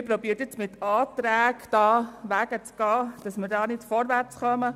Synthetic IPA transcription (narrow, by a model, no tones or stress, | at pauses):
ɪpɾobiːəɾtjɛt͡smɪtɑːt̪ɾæːɡd̥ɑːʋæɡ̥ət͡sɡ̥ɑːd̥ɑsməɾdɑːnɪtfɔɾʋæɾt͡sχœmə